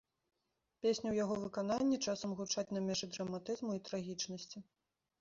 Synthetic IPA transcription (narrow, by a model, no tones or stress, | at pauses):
pʲesʲnʲuwjaɣɔvɨkan̪anʲːɛt͡ʂasɐmɣut͡ʂat͡sʲnamʲɛʐɨd̪ɾɐmat̪ɨzmuit̪ɾaɣʲit͡ʂnɐsʲt͡sʲi